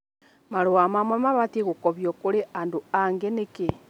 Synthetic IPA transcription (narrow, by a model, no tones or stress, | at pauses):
maɾowamamwamaβateɣokɔβjokoɾeʔandoaŋɡeneke